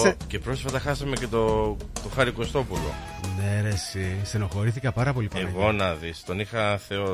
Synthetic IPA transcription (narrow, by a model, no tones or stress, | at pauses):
ce̞pɾo̞sfɐt̪ɐxɐsɐme̞ce̞t̪o | t̪o̞xɐɾiko̞st̪o̞pulo̞̰ | neɾesiseno̞xo̞ɾiθikɐpɐɾɐpo̞lipɐeɣo̞nɐðist̪o̞nixɐθe̞o